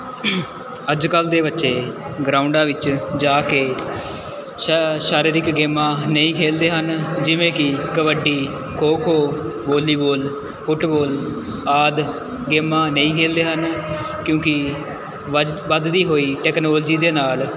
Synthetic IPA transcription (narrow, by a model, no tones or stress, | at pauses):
əd͡ʒkəld̪eːbətːʃeː | ɡɾaːʊɳɖãːʋɪt͡ʃd͡ʒaːkeː | ʃaːɾiːɾɪkɡeːmãːnəĩːkʰeːld̪eːɦənd͡ʒɪʋẽːkɪkəʋəɖiː | kʰoːkʰoːboːliːboːl | pʰʊʈboːl | aːd̪ | ɡeːmːãːnəĩːkʰeːld̪eːɦən | kjõːkɪ | ʋəd̪d̪iːɦoːiːʈɛːknoːld͡ʒiːd̪eːnaːl